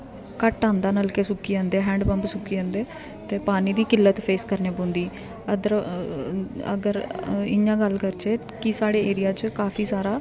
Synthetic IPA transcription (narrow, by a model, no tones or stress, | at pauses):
kəʈːãːnd̪aːnəlkeːsʊkːiːãːnd̪eːɦɛ̃ːɳɖbə̃mpsʊkːiːãːnd̪eː | t̪eːpaːniːd̪iːkɪlːət̪pʰeːskəɾneːbõːnd̪iː | əd̪əɾ | ə̰ɡəɾɪãːɡəlːkəɾt͡ʃeː | kɪsaːɽeːeːɾɪjaːt͡ʃkaːpʰiːsaːɾaː